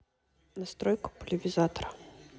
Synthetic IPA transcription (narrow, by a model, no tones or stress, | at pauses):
nast̪ɾɔjkʊ̥pʊlʲɪvʲizat̪ɐɾɐ